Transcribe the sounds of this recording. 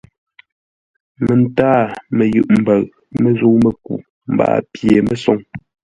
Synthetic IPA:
mə˨n˨taː˦˨mə˨jʉ̰˦˨ʔm̩˨bə˨ɣ | me˨zu˦mə˨kṵ˨ | m̩˨ba̰ː˦pje˨mə˦sɔ˦ŋ

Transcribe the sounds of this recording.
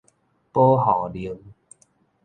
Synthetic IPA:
po˦ɦɔ˨˩li˨˦ə˦ŋ

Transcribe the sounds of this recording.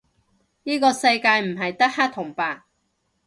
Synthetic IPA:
niː˥kɔː˧sɐ˧jkaː˧jm̩˨˩ɦɐ˨jt̪ɐ˥k̚haː˥t̪ʰːʊ˨˩ŋpaː˧˥

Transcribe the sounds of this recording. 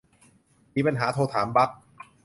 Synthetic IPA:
miː˧pa˧nɦaː˩˦t̪ʰoː˧t̪ʰaː˩˦mba˦˥k̚

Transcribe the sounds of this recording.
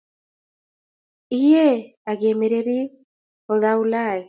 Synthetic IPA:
i˦je˦ | a˨ɡe˨me˨ɾe˨ɾi˦ | ɔ˨ða˦u˦la˦˨e˨

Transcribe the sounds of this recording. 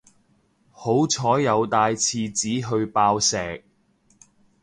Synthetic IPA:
ho˨˥wt͡sʰɔː˨˥jjɐ˨˧wt̪aː˧jt͡sʰiː˧t͡siː˨˥ɦɵ˧ɥpaː˧wsɛː˨k̚

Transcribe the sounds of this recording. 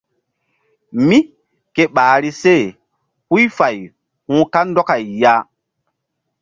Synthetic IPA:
mi˦ | ke˦ɓaː˨˦ɾi˦se˦˨ | hu˦jfa˨j | hũ˦ka˦ndɔ˦ka˨jːa˦

